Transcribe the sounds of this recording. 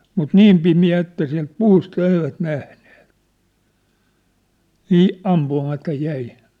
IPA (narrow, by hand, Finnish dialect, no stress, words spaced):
mut niːm pimiæ etːæ siæ̝lt puːstɑ eiʋæt næhne̥ːt niː ɑmpuɑmɑtɑ jæi